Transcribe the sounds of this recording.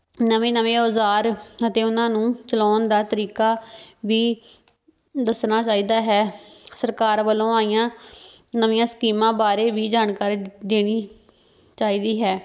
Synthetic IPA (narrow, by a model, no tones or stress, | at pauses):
nəʋẽːnəʋẽːoːzaːɾət̪eːʊnãːnũːt͡ʃəlɔːnd̪aːt̪əɾiːkaːʋiː | d̪əsnaːt͡ʃaːiːd̪aːɦɛːsəɾkaːɾʋəlõːaːijãː | nəʋɪ̃jãːsə̥kiːmãːbaːɾeːʋiːd͡ʒaːnkaːɾiːd̪eːɽ̃iː | t͡ʃaːiːd̪iːɦɛː